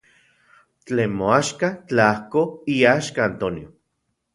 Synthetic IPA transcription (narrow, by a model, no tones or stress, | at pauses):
t͡ɬeːnmoaʃkat͡ɬaahkoiaʃkaːnt̪onio